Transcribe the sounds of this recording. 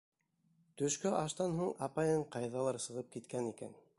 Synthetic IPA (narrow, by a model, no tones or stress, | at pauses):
t̪ɵ̆ʃkɵʔɑʃt̪ɑnɦuɴɑpɑjɤɴqɑjðɑlˠɑɾsɤ̆ʁɤp̚kit̪kænikæ̰n